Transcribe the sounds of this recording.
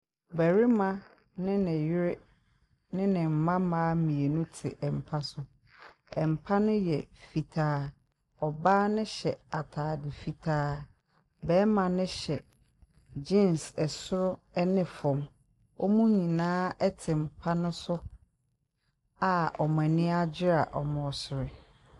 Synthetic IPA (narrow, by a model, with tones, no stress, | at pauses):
bɛ˨ɾɪ˦mã˦ | nɪ̃˦nɪ̃˨jɪ˦ɾɪ˦ | nɪ̃˦nɪ̃˨m̩˨mã˦mãː˦mĩ˨e˨nũ˦tʰɪ˨ʔɛ˨m̩˨pʰa˦sʊ˦ | ɛ˨m̩˨pʰa˦nʊ̃˦jɛ˨fi˨tʰaː˦ | ɔ˨baː˦nɪ̃˦ɕɛ˨a˨tʰaː˨dɪ˨fi˨tʰaː˦ | bɛː˦mã˨nɪ̃˦ɕɛ˨ | d͡ʑi˦˨nsɛ˨sʊ˦ɾʊ˦ɛ˦nɪ̃˨fɔ̃˨m | ɔ˦mũ˦ɲĩ˨nãː˦ɛ˦tʰɪ˨m̩˨pʰa˦nʊ̃˦sʊ˦ | a˨ɔ˨m˨ɛ˨nɪ̃˦a˦d͡ʑɪ˦ɾa̰˨ʔɔ˨mɔ̃˨sʊ˨ɾɪ˨